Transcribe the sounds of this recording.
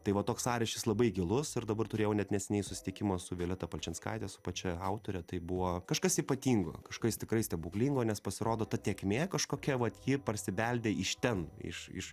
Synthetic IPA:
t̪ɐɪʋɐt̪oːksɑːɾʲɛʃʲkʲɪslˠɐbɐɪɡʲɪlˠʊsɪɾd̪ɐbɐrt̪ʊɾʲeːjɛʊnʲɛt̪nʲɛsʲɛnʲɛɪjsʊsʲɪ̥t̪ʲɪkʲɪmoːsʊʋʲeːlʲɛt̪ɐpɐlʲt͡ʃʲɛnskɐ̰ɪt̪ʲɛsʊpɐt͡ʃʲɛɐʊt̪oːɾʲɛt̪ɐɪbʊʋoːkɐʃkɐsiːpɐt̪ʲiːŋɡo̰ːkɐʃkɐɪst̪ʲɪkɾɐɪsʲtʲɛbuklʲiŋɡoːnʲɛspɐsʲɪɾoːd̪oːt̪ɐt̪ʲeːkmʲeːkɐʃkoːkʲɛʋɐt̪jipɐrʲsʲɪbʲɛlʲd̪ʲeːɪʃt̪ʲɛnɪ̰ʃɪ̰ʃ

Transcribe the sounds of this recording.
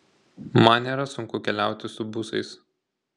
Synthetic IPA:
mɐnnʲeːɾɐsʊŋkʊkʲɛlʲæˑʊt̪ʲɪsʊbʊsɐ̰ɪs

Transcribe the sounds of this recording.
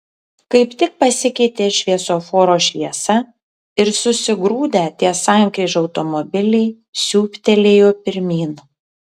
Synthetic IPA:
kɐɪpt̪ʲɪk̚pɐsʲɪkʲɛɪt̪ʲeːʃʲʋʲiɛsoːfoːɾoːʃʲʋʲiɛsɐ | ɪɾsʊsʲɪɡɾuːd̪ʲɛt̪ʲiɛsɑˑŋʲkɾʲiːʒʲɐʊt̪ɔmɔbʲɪlʲɛɪ | sʲuːpʲt̪ʲɛlʲeːjoːpʲɪɾʲmʲiːn

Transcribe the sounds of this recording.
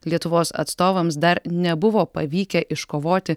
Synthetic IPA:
lʲiɛt̪ʊʋoːsɐ̰t̪st̪oːʋɐms̬d̪ɐɾnʲɛbʊʋoːpɐʋʲiːkʲɛʔɪʃkoːʋoːt̪ʲɪ

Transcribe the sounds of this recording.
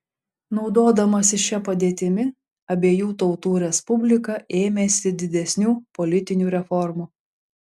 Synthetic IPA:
nɒʊd̪oːd̪ɐmɐsʲɪʃʲɛpɐd̪ʲeːt̪ʲɪmʲɪ | ɐbʲeːjuːt̪ɒʊt̪uːɾʲɛspʊbʲlʲɪkɐʔeːmʲeːsʲɪd̪ʲɪd̪ʲɛsʲnʲuːpɔlʲɪt̪ʲɪnʲuːɾʲɛfɔɾmuː

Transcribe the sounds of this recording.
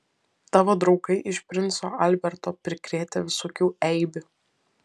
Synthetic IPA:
t̪ɑːʋoːd̪ɾɒʊkɐɪʔɪʃʲpʲɾʲɪnt̪so̰ːʔɐlʲbʲɛɾt̪oːpʲɾʲɪkɾʲeːt̪ʲeʋʲɪsoːkʲuːɛɪbʲʊ

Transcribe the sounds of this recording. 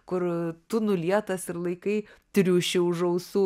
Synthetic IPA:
kʊɾt̪ʊnʊlʲiɛt̪ɐsɪɾlˠɐɪkɐɪt̪ʲɾʲuːʃʲɛʊʒɐʊsuː

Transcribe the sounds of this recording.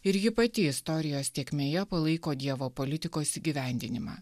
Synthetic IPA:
ɪɾʲɡʲɪpɐt̪ʲɪɪst̪ɔɾʲɪjoːst̪ʲeɛkʲmʲeːjɛpɐlˠɐɪkoːd̪ʲiɛʋoːpolʲɪt̪ʲɪkoːsiːɡʲiːʋʲæˑnʲd̪ʲɪ̰nʲɪmɑ̰ː

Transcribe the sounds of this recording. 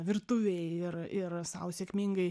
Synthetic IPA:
ʋʲɪrt̪ʊʋʲɛɪɪɾɪrsɐ̰ʊsʲɛkʲmʲiŋɡɐɪ

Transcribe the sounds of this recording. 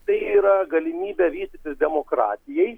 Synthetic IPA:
t̪ɐɪiːɾɐɡɐlʲɪmʲiːbʲɛʋʲiːd̪ʲɪt̪ʲɪsd̪ʲɛmokɾɑ̰ːt̪ʲɪjɛɪ

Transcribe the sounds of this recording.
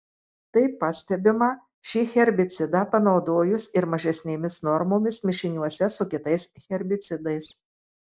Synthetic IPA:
t̪ɐɪpːɐsʲt̪ʲɛbʲɪmɑ | ʃʲixʲɛɾʲbʲɪt̪sʲɪd̪ɑːpɐnɒʊd̪oːjʊsɪɾmɐʒʲɛsʲnʲeːmʲɪsnɔɾmoːmʲɪsmʲɪʃʲɪnʲuɔsʲɛsʊkʲɪt̪ɐɪsxʲɛɾʲbʲɪt̪sʲɪd̪ɐɪs

